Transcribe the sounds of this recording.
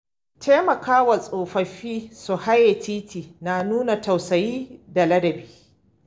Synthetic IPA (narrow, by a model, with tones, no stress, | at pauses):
tʰe˦mɐ˨kʰaː˦wa˨sʼoː˨ɸɐ˨ɸiː˦su˨ha˦jːe˨tiː˦tiː˨naː˨nuː˦na˨ta˨wsɐ˨jiː˦da˨lɐ˦dɐ˨biː˦